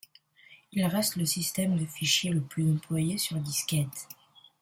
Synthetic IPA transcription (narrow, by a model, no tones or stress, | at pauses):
ilʁɛst̪ləsist̪ɛmd̪əfiʃjeləplyzɑ̃plwajesyʁd̪iskʲɛt̪